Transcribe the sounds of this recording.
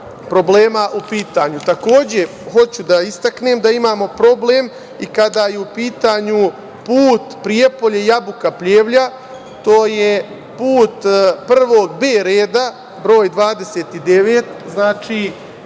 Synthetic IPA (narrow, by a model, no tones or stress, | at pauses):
pɾo̞ble̞ːmaʔupiːt̪aːɲut̪ako̞ːd͡ʑe̞ | ho̞t͡ɕud̪aist̪akneːmd̪aimaːmo̞pɾo̞bleːm | ikad̪ajeupiːt̪aːɲu | puːt̪pɾijepo̞ʎejabukapʎeːʋʎa | t̪o̞ːje̞ | puːt̪pr̩ʋo̞ːɡbeːɾeːd̪a | bɾo̞ːjd̪ʋaːd̪e̞seːt̪id̪e̞ʋeːt̪znaːt͡ʃiː